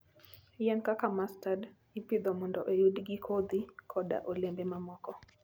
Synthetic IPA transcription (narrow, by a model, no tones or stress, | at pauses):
jankakamastad | ipid̪ɔmɔndɔʔejudɡikʰod̪ikʰɔda̰ʔolembɛmamɔkɔ